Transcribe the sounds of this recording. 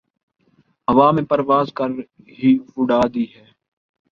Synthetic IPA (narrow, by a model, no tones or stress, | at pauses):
əʋaːmẽːpəɾʋaːzkəɾ | ɦiːfʊɖaːd̪iːɦɛː